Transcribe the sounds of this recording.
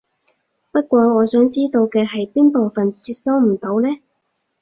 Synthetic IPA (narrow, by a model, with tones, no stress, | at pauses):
pɐ˥t̚kʷɔː˧ŋɔː˨˧sœː˨˥ŋt͡siː˥t̪o˧wkɛː˧ɦɐ˨jpiː˥npo˨wfɐ˨nt͡siː˧t̚sɐ˥wm̩˨˩t̪o˨˧wlɛː˥